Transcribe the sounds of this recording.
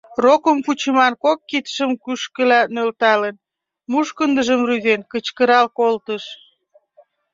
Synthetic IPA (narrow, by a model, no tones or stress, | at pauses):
rokəmkut͡ɕəmɑnkokːit̪ə̥ʃəmkyʃkə̆lænølt̪ɑlən | muʃkənd̪əʒəmryzenkət͡ɕkəɾɑlkolt̪əʃ